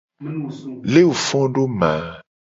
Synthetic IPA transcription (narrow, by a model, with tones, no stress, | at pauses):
le˦wu˨fɔ̃˦ɖo˦mã˨